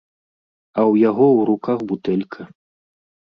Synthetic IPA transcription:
ɐwjaɣɔwɾukaɣbut̪ɛlʲkʰɐ

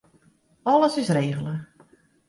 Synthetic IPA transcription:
ɔləsɪsreːɣələ

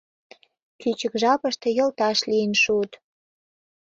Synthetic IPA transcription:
kyt͡ɕə̆kʒɑpə̆ʃt̪e̽jɤ̆lt̪ɑʃlijənʃut̪

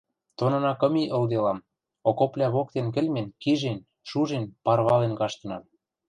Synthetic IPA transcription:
t̪onɤ̆nɑkɤ̆miʔɤ̆ld̪elɑm | okoplʲæβok̚t̪enk̬ɘ̆lʲmenkiʒen | ʃuʒenpɑrβɑlenkɑʃt̪ɤ̆nɑm

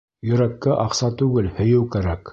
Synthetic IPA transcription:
jɵ̆ɾækːæʔɑqsɑt̪ʉɡɘlhɵ̆jɘwkæɾæk

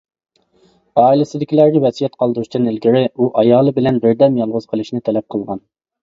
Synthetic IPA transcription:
ɑːilɪsɪd̪ɪkʲilæɾɡʲɛvɛsijɛt̪qʰɑlˠd̪uɾuʃt̪ʰɛnɪlɡʲiɾɪuʔɑjɑːlˠɨbɪlɛnbɪɾd̪ɛmjɑlˠʁʊz̥qʰəlˠɨʃnɨt̪ʰɛlɛp̚qʰəlˠʁɑn

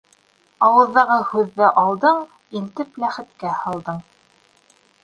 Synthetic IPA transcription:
ɑwɤ̆ðːɑʁɤhʉðːɘʔɑlˠd̪ɤɴ | ilt̪ɘplæχɘ̆t̪kæhɑlˠd̪ɤɴ

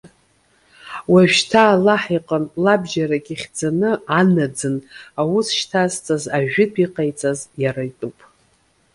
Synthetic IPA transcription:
waʒᶣtʰaːlaħiqʼənlabʒaɾakʲʼiχʲd͡zanɨanad͡zɨnawusʃtʰazt͡sʼazaʒᶣɪtʰiqʼajt͡sʼazjaɾajtʼupʼ

